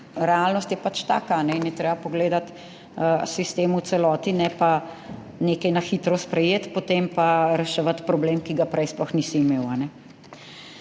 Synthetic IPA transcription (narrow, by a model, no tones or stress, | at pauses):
ɾɛaːlnɔst̪jɛpat͡ʃt̪a̰ːkaːnɛinjɛt̪ɾeːbapɔɡleːd̪at̪ | əsist̪eːmusɛlɔːt̪inɛpa | neːkɐjnaxiːt̪ɾɔspɾɛjeːt̪pot̪empaɾɛʃɛʋat̪pɾɔbleːmkiɡapɾɛjsplɔxnisiːmeːwanɛ